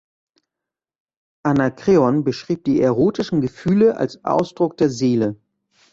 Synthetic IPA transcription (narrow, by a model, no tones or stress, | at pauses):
ʔanakʁ̥eːɔnbəʃʁ̥iːp̚d̥iːʔɛʁoːtɪʃn̩ɡəfyːləʔa̰lsʔa̰ʊsd̥ʁʊk̚d̥eːɐzeːlə